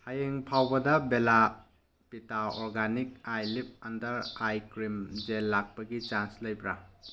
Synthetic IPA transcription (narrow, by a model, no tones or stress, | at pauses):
hajeŋpʰawbɐdɐbela | pitaɔɾɡanik̚ajlip̚ɐndɐɾajkɾimd͡ʒelːak̚pɐɡit͡ʃanslɐjbɾa